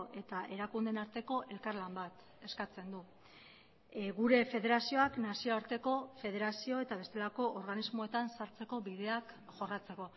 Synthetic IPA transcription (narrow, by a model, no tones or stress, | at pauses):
ʔe̞t̪aʔe̞ɾakund̪e̞naɾt̪e̞ko̞ʔe̞lkaɾlambat̪ | e̞skat͡se̞nd̪u | ɣuɾe̞fe̞ð̞e̞ɾasio̞aknasio̞aɾt̪e̞ko̞fe̞ð̞e̞ɾasio̞e̞t̪aβ̞e̞st̪e̞lako̞ʔoɾɣanizmo̞e̞t̪ansaɾt͡se̞ko̞βið̞e̞akʝo̞rat͡se̞ko̞